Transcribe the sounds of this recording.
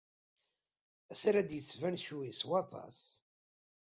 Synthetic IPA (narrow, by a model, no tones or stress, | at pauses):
æsɾæd̪jət͡sːvænʃuiswɑt̪ˤɑ̰s